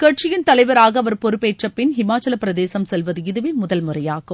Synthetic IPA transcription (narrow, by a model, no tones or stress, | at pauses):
kɐʈ̚t͡ʃɪjɪnt̪ɐlɐɪʋɐɾaːɣɐːʋɐɾpɔɾɯpːeːʈrɐpːɪnɦɪmaːt͡ʃːɐlɐpɪɾɐðeːsɐmsɛlʋɐðɯɪðɯʋeːmʊðɐlmʊrɐjaːɣɯm